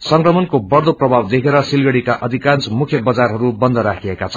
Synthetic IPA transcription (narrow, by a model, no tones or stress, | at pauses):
sʌŋkrʌmʌnkobʌrd̪oprʌbʱawd̪ekʰeɾʌsilɡʌɽikaʔʌd̪ʱikant͡smukʰjʌbʌd͡zarɦʌɾubʌnd̪ʱʌɾakʰiekat͡sʰʌ̥